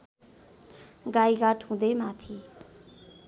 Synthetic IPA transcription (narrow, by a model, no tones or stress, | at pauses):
ɡajɡaʈɦũd̪emat̪ʰi